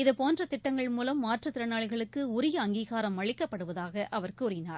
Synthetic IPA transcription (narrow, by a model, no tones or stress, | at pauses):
ɪðɐpoːndrɐt̪ɪʈːɐŋɡɐɭmuːlɐmːaːʈrɐt̪ːɪɾɐnaːɭɣɐɭɯkːɯʊɾɪjɐːŋɡiːɣaːɾɐmʋɐɻɪkːɐpːɐɽɯʋɐðaːɣɐʔɐʋɐrkuːɾɪnaːɾ